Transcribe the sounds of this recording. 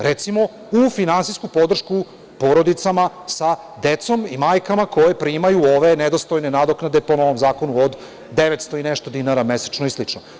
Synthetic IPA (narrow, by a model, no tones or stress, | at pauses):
ɾet̪simo̞ | ufinansiskupo̞d̪r̩ʃku | po̞ɾo̞d̪it̪sama | sa | d̪et̪so̞mimajkamako̞jepɾimajuoʋe̞ned̪o̞st̪o̞jne̞nad̪oknad̪e̞po̞no̞ʋomzaːko̞nuod̪ː | eʋet̪st̪o̞ineʃt̪o̞d̪inaɾamese̥t͡ʃnoislˠit͡ʃno